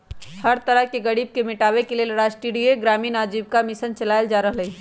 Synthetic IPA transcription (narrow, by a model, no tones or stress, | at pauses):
hɐɾt̪ɐɾəɦkeɡɐɽiːb̚kemɪʈaːʋekelielɐɾaːsʈiːɽieɡɾaːmiːnaːd͡ʒiːb̚kamɪsənt͡ʃɐlaːjld͡ʒaːɾɐɦlɐe